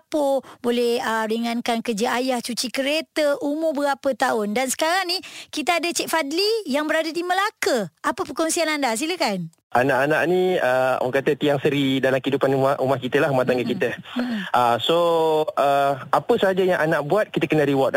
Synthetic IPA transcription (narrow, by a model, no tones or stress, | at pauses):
pobolɛhəɾiŋankankəd͡ʒəajaht͡ʃut͡ʃikəɾet̪əumʊbəɡapət̪aʊndansə̥kaɾaŋnikit̪əadət͡ʃɛk̚fadlijaŋbəɾadadiməlakəapəpərkɔŋsianandas̬iləkan | anaʔanaʔnĩəɔ̰kat̪ət̪iaŋsəɾidalamkəidupanumaumahkit̪əlaɦumaht̪aŋɡəkit̪əasoʔəapəsaad͡ʒajaŋʔanãʔbuat̪̚kit̪əkənəɾiwɔt̪̚